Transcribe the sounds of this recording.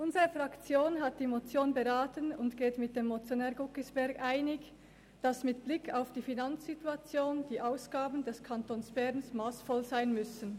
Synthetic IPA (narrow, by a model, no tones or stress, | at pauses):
ʔʊnzəʁəfʁ̥akt͡sjoːnɦat̚d̥iːmot͡sjoːnbəʁaːtənʊntɡ̥eːtmɪt̚d̥emːot͡sjonɛːɡʊkəsb̥ɛɐɡʔaɪnɪç | d̥asmɪtb̥lɪkʰaʊfd̥iːfinant͡sz̥ituat͡sjoːnd̥iːʔaʊsɡ̥aːbən̩dɛskʰantoːnsb̥ɛʁnsmaːsfɔlzaɪnmʏsən